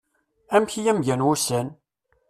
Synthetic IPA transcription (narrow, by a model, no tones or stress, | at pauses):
æmçijæmʝænwʊsæn